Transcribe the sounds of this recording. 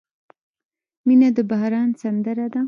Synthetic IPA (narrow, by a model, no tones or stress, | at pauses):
minad̪əbahɾɑnsand̪əɾad̪a